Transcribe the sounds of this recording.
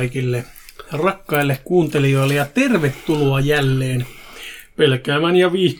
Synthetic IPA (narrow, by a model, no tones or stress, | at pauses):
ikilːe | rɑkːɑilːekkuːnt̪elioilːejɑt̪erʋet̪ːuloɑjælːeːnpelkæːmænjɑʋiː